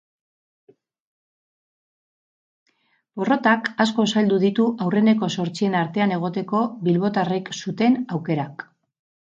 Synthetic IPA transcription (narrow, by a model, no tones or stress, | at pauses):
bo̞ro̞t̪akasko̞sald̪uðit̪uʔawre̞ne̞ko̞so̞ɾt͡sie̞naɾt̪e̞ane̞ɣ̞o̞t̪e̞ko̞βilβo̞t̪areksut̪e̞nawke̞ɾak